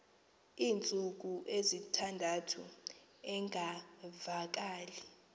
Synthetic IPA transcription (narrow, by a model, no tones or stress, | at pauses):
iːnt͡sʼuk̬uʔezitʰandʱatʰu | ɛŋʱavak̬aːli